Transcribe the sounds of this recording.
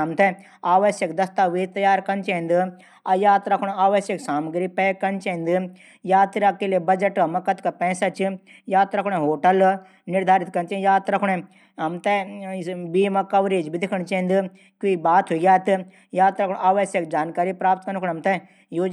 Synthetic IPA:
ɐmt̪ɛ | aːʋɐʃjɐkd̪ɐst̪aʋiːt̪ɐjaːɾkɐnt͡ʃẽnd̪ɨ | ɐjaːt̪ɾɐkʰɽ̃aːʋɐʃjɐksaːmɡɾipɛːkɐnt͡ʃẽĩnd̪ɨ | jaːt̪ɾakeliebɐd͡ʒɐʈɐmɐkɐt̪kɐpɛ̃ːsat͡ʃi | jaːt̪ɾɐkʰɽ̃ẽɦoːʈɐl | nɪɾd̪ʱaːɾit̪̚kɐnt͡ʃẽjaːt̪ɾɐkʰɽẽ | ɦɐmt̪ɛ | biːmɐ̃kɐʋɾeːd͡ʒbid̪ɪkʰɐɳ̃t͡ʃẽĩnd̪ɨ | kuibaːt̪ɦuiɡʲjaːt̪ɨ | jaːt̪ɾɐkɳaːʋɐʃjɐk̚d͡ʒaːnkaːɾipɾaːp̚t̪kɐnkʰɳɦɐmt̪ɛ | joːd͡ʒ

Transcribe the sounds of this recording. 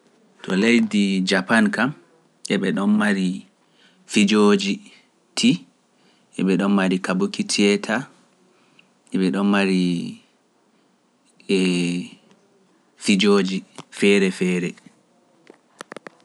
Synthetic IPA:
tʰɔ̰lejdid͡ʒapankam | ʔɛɓɛɗɔnmaɾi | fid͡ʒod͡ʒi | tʰi | ʔɛɓɛɗɔnmaɾikabukitʰiɛtʰa | ʔɛɓɛɗɔnmaɾi | ɛ | fid͡ʒoːd͡ʒifɛɾɛfɛːɾɛ

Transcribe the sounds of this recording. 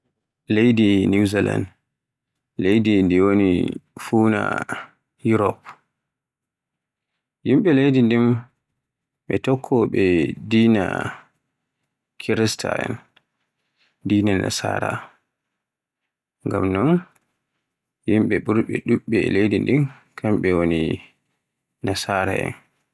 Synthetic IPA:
lejdiniuzila̰nd | lejdindiwonḭfuna̰ | juɾɔp | jimɓɛlejdindim | ɓɛtɔkʰːɔɓɛdiːna̰ | kʰiɾɛsta̰ɛ̰n | diːnana̰sa̰ːɾa̰ | ŋɡamnɔn | jimɓɛɓuɾɓɛ̰ɗuɓːɛlejdindin | kʰamɓɛwoni | nasaːɾa̰ɛ̰n

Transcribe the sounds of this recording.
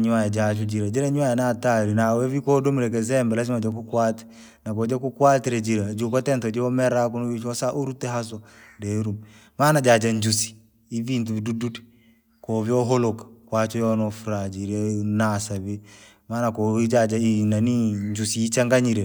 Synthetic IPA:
ɲuajad͡ʒat͡ʃud͡ʒiɾad͡ʒiɾaɲwajanataɾinawɛvikɔdɔmiɾɛk̬ɛzɛmbɛlazimad͡ʒak̬ukwatɛ̥ | nakɔd͡ʒakukwatiɾɛd͡ʒiɾad͡ʒukɔtɛntɔd͡ʒiɔmɛɾakunuit͡ʃɔsaʔuɾutɛɦasɔdɛɾum | maːnad͡ʒad͡ʒaɲd͡ʒusi̥ | ivintuβidudutɛ̥ | kɔvjɔɦɔlɔkḁkwat͡ʃɔjɔnɔfuɾad͡ʒiɾɛnasaβi | maːnakɔid͡ʒad͡ʒainaniɲd͡ʒusiit͡ʃaŋɡaɲiɾɛ

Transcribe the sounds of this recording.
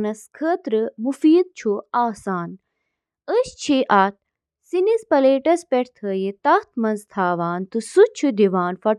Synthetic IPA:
nɐskʰəːt̪ɾɨmufiːd̪̚t͡ʃʰuaːsaːn | əɕt͡ʃʰiʔaːt̪̚ | sinispɐleːʈɐspeʈʰt̪ʰəːjit̪ɐxt̪̚ʰmɐnzt̪ʰaːʋaːnt̪ɨsut͡ʃʰud̪iʋaːnfɐ

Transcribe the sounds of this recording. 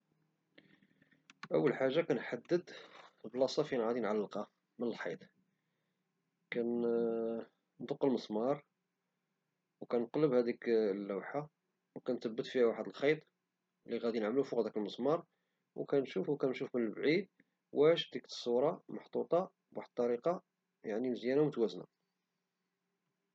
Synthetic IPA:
ʔə̰wːəlħaʒːakænħad̪ːəd̪blɑsˤɑfinʕad̪inʕalːqɑ | mənəlħḭt̪ˤ | kæn | nd̪ʊqːəlməsˤmɑɾˤ | wkænq̪ləbhæd̪iklːæwħa | wkænt̪əbːət̪fihæwaħəd̪əlxɑt̪ˤ | liɣæd̪inəʕmlufʊqd̪ækəlməsˤmɑɾˤ | wkænʃufwkænʃufmənəlbʕid̪̚ | wæʃd̪iksˤːuɾˤɑmʊħt̪ˤut̪ˤɑ | baħd̪̚t̪ˤːɑɾiqɑ | jaʕnimzjænawmʊt̪wæzna̰

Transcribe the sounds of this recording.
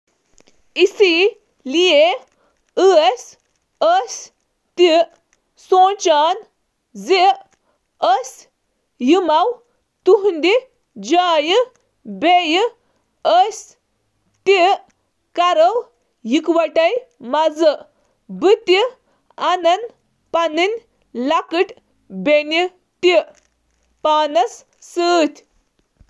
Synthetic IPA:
isi | lie | ɨes | əs | t̪i | sõːt͡ʃaːn | zi | əs | jimɐw | t̪uɦund̪i | d͡ʒaːjɨ | bejɨ | əsʲ | t̪i | kɐɾɐw | jikwɐʈɐjmazɨʔ | bɨt̪i | anɐn | pɐnɨnʲ | lakɨʈ | beni | t̪i | paːnɐs | sɨːt̪ʲ

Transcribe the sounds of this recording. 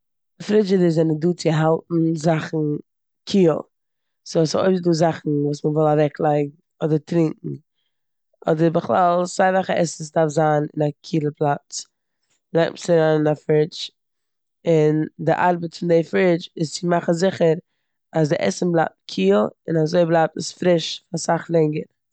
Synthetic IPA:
ɪfɾɪt͡ʃɪdɪzɛnəduːt͡sɪɦalˠtn̩zaχn̩ | kʰiːlˠ | soso̰ɪfduːzaχn̩vuːsmənvɪlˠavɛklˠaɪɡŋ̩ | ɔdəɾtɾɪŋkŋ̩ | ʔɔ̰dəɾbɪχlˠalˠsaɪvaχəʔɛss̬dafzaːnɪ̰nakʰiːlˠəpʰlˠap̚t͡s | laɪksɪɾaːnɪnafɾɪt͡ʃ | ɪndɪʔaɾbətfɪndefɪt͡ʃɪst͡sɪmaχn̩zɪχəɾ | asdɪʔɛ̰sm̩blˠaɪp̚tkʰiːlˠɪnazoɪblˠaɪp̚təsfɾɪʃfasaχlˠɛŋɡəɾ

